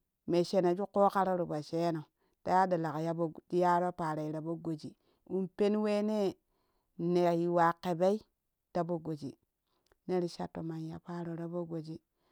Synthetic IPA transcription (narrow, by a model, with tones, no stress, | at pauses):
me˨ʃe˨na˨d͡ʒu˦ko˦ka˦ɾo˦ɾu˨ba˨ʃe˦no˨ | ta˦ja˦da˨la˨kja˦bo˦˨˦ja˦ɾo˦pa˨ɾa˨i˨ɾa˨bo˦ɡo˨d͡ʒi˨ | u˦npe˦nwe˦ne˦ | ne˨ji˨wa˨ke˨be˦i˦ | ta˦bo˨ɡo˨d͡ʒḭ˨ | ne˦ɾi˦ʃa̰˦tːo˨ma˨nja˨pa˦ɾo˨ɾa˨bo˦ɡo˨d͡ʒi˦